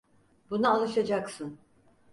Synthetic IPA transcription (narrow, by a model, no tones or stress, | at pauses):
bunaalˠɯʃad͡ʒaksɯn